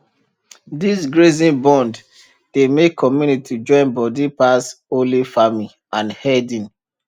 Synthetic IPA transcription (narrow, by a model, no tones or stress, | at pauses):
disɡɹezĩnbɔ̃nd | d̥emekʰːɔmjunitʰid͡ʒɔ̃ɪ̃nbɔdipasolifamĩ | ãnhɛdĩn